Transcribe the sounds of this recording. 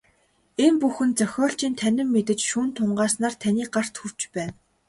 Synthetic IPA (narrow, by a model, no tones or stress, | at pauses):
empuxɘ̆nt͡sœxʲɔːɬt͡ɕiːnt̪ʰænʲɪ̆mːet̪ɘ̆t͡ɕʃuːnt̪ʰʊɴɢaːsnaːrt̪ʰæniːk̚ɢar̥t̪xur̥t͡ɕpæːn